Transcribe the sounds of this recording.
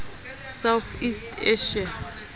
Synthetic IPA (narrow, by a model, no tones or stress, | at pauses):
sawθistʰeʃa